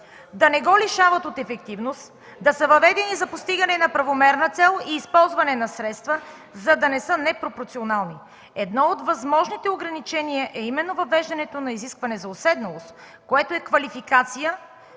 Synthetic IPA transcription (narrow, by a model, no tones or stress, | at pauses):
d̪ɐnɛɡɔliʃavɐt̪ot̪ɛfɛk̚t̪ivnost̪ | d̪ɐsəvɐvɛd̪ɛnizɐpost̪iɡɐnɛnɐpɾɐvomɛɾnət̪sɛlˠiːspɔlˠzvɐnɛnɐsɾɛt̪st̪və | zɐd̪ɐnɛsɤnɛpɾopoɾt̪sionalˠni | ɛd̪nɔot̪vɐzmɔʒnit̪ɛoɡɾɐnit͡ʃɛniəʔɛimɛnːovɐvɛʒd̪ɐnɛt̪onɐiziskvɐnɛzɐosɛd̪nɐlˠost̪ | koɛt̪oɛkvɐlifikat̪sijə